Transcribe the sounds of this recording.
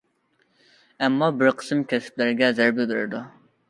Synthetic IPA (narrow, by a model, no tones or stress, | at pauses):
ɛmːɑbɪɾqʰə̥sɨmkʲʰɛsɪ̥p̚lɪɾɪɡʲɛzæɾbibɪɾɪ̰ɾd̪u